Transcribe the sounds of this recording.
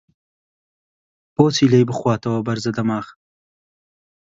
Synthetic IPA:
poːt͡silajbəxwɑːt̪awabaɾzad̪amɑːx

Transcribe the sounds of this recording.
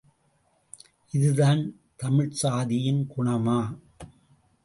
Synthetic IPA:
ʔɪðɯðaːn | t̪ɐmɪɻsaːðɪjɪnkʊɳɐmaː

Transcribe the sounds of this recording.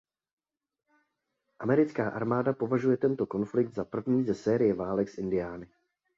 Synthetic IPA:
ʔamɛɾɪt͡skaːʔa̰ɾmaːdapo̞vaʒujɛt̪ɛnt̪o̞ko̞nflɪk̚d̪zapr̩vɲiːzɛsɛːɾɪjɛvaːlɛksʔɪndɪjaːnɪ

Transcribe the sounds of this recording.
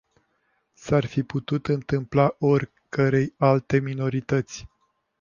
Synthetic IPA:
sarfiput̪ut̪ɨnt̪ɨmplaʔo̞rʲ | kəɾe̞jalt̪e̞mino̞ɾit̪ət̪sʲ

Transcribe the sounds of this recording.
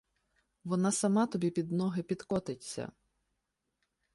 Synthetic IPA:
ʋɔnɑsɐmɑt̪ɔbʲipʲid̪nɔɦɪpʲid̪kɔt̪ɪt͡sʲːɐ̰

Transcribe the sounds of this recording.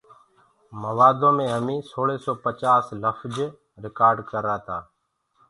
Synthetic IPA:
məʋaːd̪õːmẽːɦəmĩːsoːɽeːsɔːpət͡ʃaːsləfd͡ʒ | ɾɪkaːɾɖkəɾaːt̪ʰaː

